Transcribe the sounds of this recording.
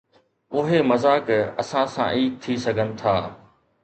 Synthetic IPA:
ʊɦemɐzaːkɐ̰sãsã̰ʔiːk̚t̪ʰisɐɡʱənɪ̆t̪ʰaː

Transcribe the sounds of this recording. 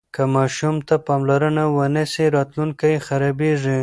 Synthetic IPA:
kamɑʃumt̪apɑmlaɾənawənəseɾɑt̪luŋkajxaɾɑbeʐi

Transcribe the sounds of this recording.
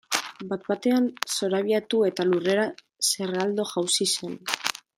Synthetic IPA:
bat̪bat̪e̞anso̞ɾaβ̞iat̪ue̞t̪alure̞ɾa | se̞rald̪o̞ʝawsise̞n

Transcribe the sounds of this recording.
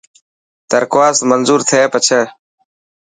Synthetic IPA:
t̪əɾkwaːsmənzuːɾt̪ʰeːpət͡ʃʰəː

